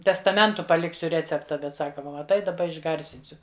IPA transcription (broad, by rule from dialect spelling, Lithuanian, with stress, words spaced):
tʲɛstɐˈmʲɛntʊ pɐˈlʲɪksʲʊ ˈrʲæːt͡sʲɛptɐ ˈbʲɛt ˈsɑːkɐ ˈʋɐ mɐˈtɐɪ dɐˈbɐ ɪʒˈɡɐrʲsʲɪnʲsʲʊ